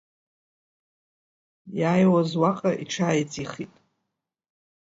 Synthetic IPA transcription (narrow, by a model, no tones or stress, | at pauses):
jaːjwazwaqʼaʔiʈ͡ʂʰaːjt͡sʼiχitʼ